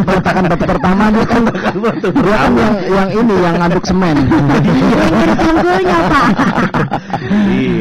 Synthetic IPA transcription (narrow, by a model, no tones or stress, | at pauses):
məŋat̪akanbat̪upərt̪amaɲakan | iakanjaŋjaŋinijaŋːadʊk̚səmɛn | aərd͡ʒaŋɡuɲapaa